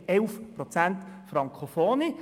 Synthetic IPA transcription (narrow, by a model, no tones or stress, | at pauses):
ɛlfpɾot͡sænt̪fɾɑŋkχofoːni